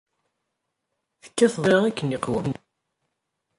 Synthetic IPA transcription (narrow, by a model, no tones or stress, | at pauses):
θə̥kːæθðˤɾɑækːənːiqwəm